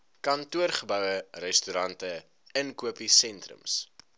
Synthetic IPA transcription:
kɐntuərχəbœwərɛstyɾɐntə | ənkuəpisɛntrə̰ms

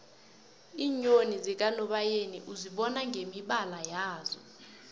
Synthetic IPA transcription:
iːɲonizik̬ʼalɔɓajenḭʔuziɓɔnaŋɡʱemiɓalajaːzɔ̰

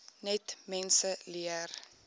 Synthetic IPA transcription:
nɛtmɛnsəliər

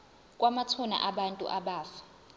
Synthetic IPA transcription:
kʼwamat͡sʰuna̰ʔaɓantʼṵʔaɓaːfḁ

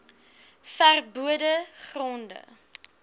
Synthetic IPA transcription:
færbuədəχrɔndə̰

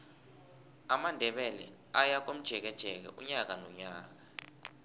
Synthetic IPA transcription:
amandʱɛɓɛlɛ̰ | ajak̬om̩d̥ʒ̥ʱɛk̬ɛd̥ʒ̥ʱɛk̬ɛ̰ʔuɲak̬anɔɲaːk̬ḁ

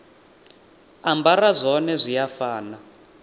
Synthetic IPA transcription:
ambarazʷɔnɛzʷijafaːna

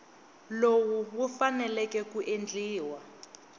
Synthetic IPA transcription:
lowuwufanɛlɛkɛkuʔend͡ɮiːwa

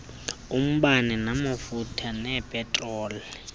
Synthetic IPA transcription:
um̩ɓaninamafutʰanɛpʼɛtʼrɔːlɛ

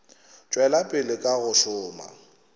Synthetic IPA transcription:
t͡ʃʼwɛlapʼɪlɪkʼaɣʊʃʊːma̰

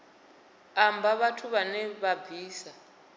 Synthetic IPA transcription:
ambʱaβatʰuβanɛβabʱiːsa

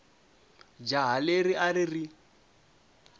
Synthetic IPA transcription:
d͡ʒaɦaleriʔaɾiri

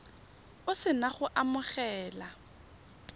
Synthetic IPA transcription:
ʊsɪnaχʊʔamʊχɛːla

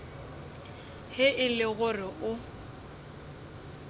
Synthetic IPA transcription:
hɪʔɪlɪɣʊrɪʔʊ

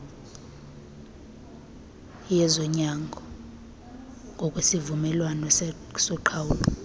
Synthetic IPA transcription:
jɛzɔɲaŋɡʱɔ | ŋɡʱɔkʼwesivumɛlwanɔ | sɔǃʰawuːlɔ

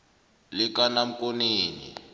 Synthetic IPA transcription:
likanam̩koneːnḭ

